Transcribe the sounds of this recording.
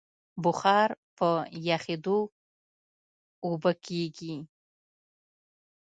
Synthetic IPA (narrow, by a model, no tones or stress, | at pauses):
buχaɾpʰəjaχed̪o | ubəkʲʰeɡʲi